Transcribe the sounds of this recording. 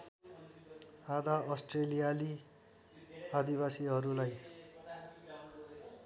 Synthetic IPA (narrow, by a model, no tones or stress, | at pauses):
ad̪aʌsʈrelijali | ad̪iβasiɦʌɾulaj